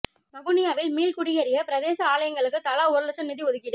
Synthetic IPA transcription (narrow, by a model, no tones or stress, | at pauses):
mɐɣʊnɪjaːʋɪlmiːlkʊɽɪjɐɾɪjɐpɪɾɐðeːsɐaːlɐjɐŋɡɐɭɯkːɯt̪ɐlaːʊɾɯlɐt͡ʃːɐnɪðiɔðɯkːɪɽɯ